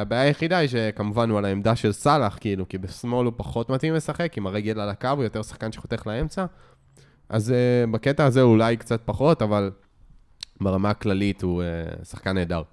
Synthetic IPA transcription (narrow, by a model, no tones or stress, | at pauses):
abaːjajeχidaiʃ̬e̞kamuvanualaemd̪aʃe̞lsalaχkiilukibesmo̞lupaχo̞t̪mat̪imlesaχe̞kimaʁejɡelalakavujo̞t̪e̞ʁsḁχkanʃeχot̪e̞χlae̞mt͡sa | ʔazebaket̪aːzeulajkt͡sat̪̚paχo̞t̪aval | beʁamaklalithuesaχkaneːdaʁ